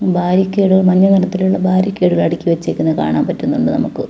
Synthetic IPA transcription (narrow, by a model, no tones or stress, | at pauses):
bʱaːɾjɐkʲːeːɽuɣɐɭmɐnːɐmɐnɐt̪ːiluɭːɐbʱaːɾjɐkʲːe̞ːɽuɣɐɭɐɽikʲːiʋet͡ɕːekʲːunːɐka̰ːɳaːmpɐtːunːuɳɖɨnɐ̰mukːɨ